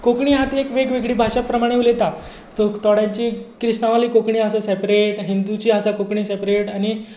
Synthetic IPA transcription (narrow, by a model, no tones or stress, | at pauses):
kokɳiːɦat̪ːekʋeɡʋeɡɽiːbʱaʂapɾəmaɽ̃eʋlet̪a | t̪ot̪ɔɽjaɲt͡ɕiːkɾist̪ãʋaliːkokɳiːəsasepɾeʈɦind̪ut͡ɕiːəsakokɳiːsepɾeʈañi